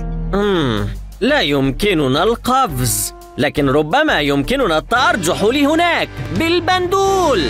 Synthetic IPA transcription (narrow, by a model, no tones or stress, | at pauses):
ʔam | lajʊmkɪnʊnalqɑfz | laːkɪnɾˤʊbːamajʊmkɪnʊnat̪ːɑʔɑɾˤd͡ʒʊħlɪːhʊnaːkbɪlband̪uːl